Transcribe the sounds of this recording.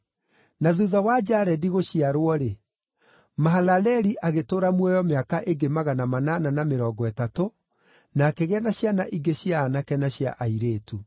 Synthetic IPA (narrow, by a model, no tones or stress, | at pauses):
naðuðawad͡ʑaɾɛdiɣoɕiaɾwɔɾe | maɦalalɛɾiʔaɣetoːɾamwɛjɔmeakaʔeɡemaɣanamanananameɾɔɡɔɛtato | nakeɣɛnaɕjanaʔiɡeɕjaːnakɛnaɕja̰ʔaiɾeːtu